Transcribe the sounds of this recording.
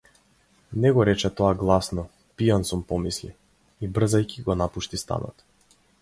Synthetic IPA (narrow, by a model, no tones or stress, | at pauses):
nɛɡɔɾɛt͡ʃɛt̪ɔaɡlˠasnɔ | pijansumpɔmislḭ | ibr̩zajciɡɔnapuʃt̪ist̪a̰nɔ̰t̪